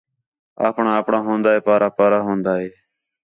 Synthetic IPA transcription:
a̰ːpɳãːəːpɳãːɦõːnd̪aːɦeːpaːɾaːpaːɾaːɦõːnd̪aːɦeː

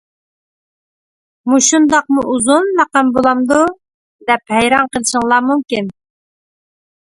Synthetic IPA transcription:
muʃund̪ɑqmuʔuzunlæqɑmbolˠɑmd̪u | d̪ɛphɛjɾɑnqəlˠɨʃɨŋlˠɑmumkʲin

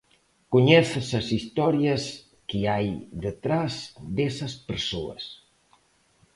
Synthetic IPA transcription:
kuɲɛθsɐsist̪ɔɾjɐs | kiajðət̪ɾazd̪esɐspəɾsoɐ̰s

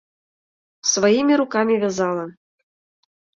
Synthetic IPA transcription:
svajimʲiɾukɑmʲivʲɑzɑlˠɤ̆

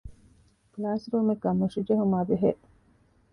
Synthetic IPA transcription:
klaːsɾuːmekːɐmːuʂid͡ʒɐɦumaːʋeɦeʔ

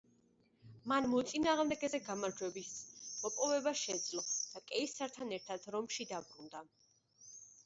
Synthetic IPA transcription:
manmɔt̪sʼinaːʁmd̪ɛɡɛzɛɡamaɾd͡ʒwɛbismɔpʼɔvɛbaʃɛd̪zlɔsd̪̥akʼɛisaɾt̪ʰanɛɾt̪ʰad̪̥ɾɔmʃid̪abɾund̪a

